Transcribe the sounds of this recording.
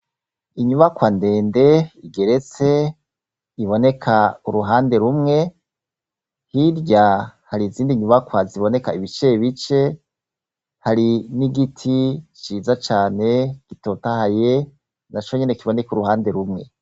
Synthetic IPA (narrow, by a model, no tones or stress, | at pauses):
iɲuβakwande̞ːnde̞iɡe̞ɾe̞t͡se̞ | iβo̞ne̞kʰauɾuɦaːnde̞ɾumŋe̞ | hiɾɟahaɾiziːndiɲuβakwaziβo̞ne̞kaiβit͡ʃe̞βit͡ʃe̞ | haɾiniɡitʰit͡ʃiːzat͡ʃaːne̞ɡ̥itotahaje | nat͡ʃo̞ɲene̞kiβo̞ne̞kuɾuɦaːnde̞ɾumŋe̞